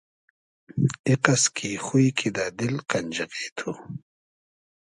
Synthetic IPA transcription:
iqaskʰixujkʰid̪ad̪ɪlqɐnʲd͡ʒɐqeːt̪ʰu

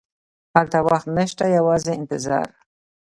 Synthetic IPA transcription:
halt̪awaxt̪naʃt̪ajawɑzeɪnt̪ɪzɑ̰ɾ

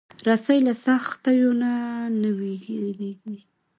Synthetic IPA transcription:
ɾasajlasaxt̪ajonanawiɡɾeɡi

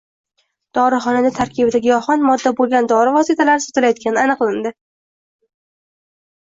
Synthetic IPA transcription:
d̪̥ɒɾɪχɒnanat̪ʰaɾkʲʰɪbd̪aɡʲɪjɒχɒnmɒd̪ːabolˠɡʲand̪ɒɾɪvɒsɨt̪ʰalaɾɪso̥t̪ɪlajɒt̪̚kʲʰanɪanɨqlˠɪnd̪ɪ

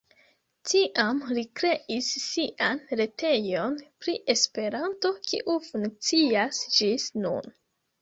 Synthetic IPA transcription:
tiʔamlikɾe̞ʔisːiʔanɾe̞te̞jo̞npɾiʔe̞spe̞ɾanto̞kʰḭʔufuŋk̚t͡siasd͡ʒisnṵn

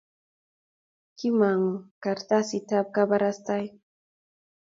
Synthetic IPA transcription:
kimaŋkaɾt̪asit̪ap̚kabaɾast̪aj

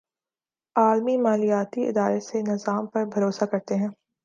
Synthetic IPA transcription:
aːlmimaːlijaːt̪iɪ̰d̪aːɾesenɪzaːmpɐɾbʱɐɾoːsakɐɾt̪eɦɛ̃ː

